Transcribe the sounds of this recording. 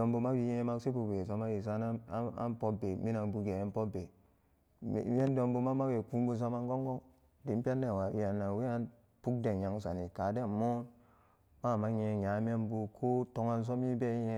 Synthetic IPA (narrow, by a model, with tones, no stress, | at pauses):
do˨mbu˧ma˦ɡi˨je˦ma˦si˦bu˨be˨so˦ma˦ji˨s̬a˦n˦a̰˦npo˦be˨mi˦na˨nbu˨ɡe˨a˦npo˦be˨ | me˦n˦do˧mbu˦ma˦ma˦ɡe˨ku˦mbu˦s̬a˦ma˦ŋ˦ɡo˦ŋɡo˦ŋ | di˨˦m˦pa˦nde˨wa˨wi˨˦a˨nːa˨wi˦a˦n | pu˦k̚de˨ja˨ŋsa̰˨ni˨ka˨de˦˨mo˦n | ma˦˨ma˦ɲe˨ja˨˦m˦e˦nbu˨kʰo˦to˦ŋa˦ns̬o˦m˦i˦be˦je˦